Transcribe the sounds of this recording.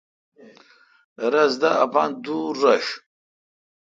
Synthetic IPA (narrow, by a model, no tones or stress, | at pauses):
ɾazdaapanduraʃ